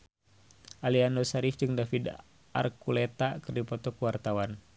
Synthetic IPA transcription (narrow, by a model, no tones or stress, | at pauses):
ʔaliandɔsaɾifd͡ʒɨŋdafid | a̰rkulɛt̪akɨrdipɔt̪ɔkuwart̪awan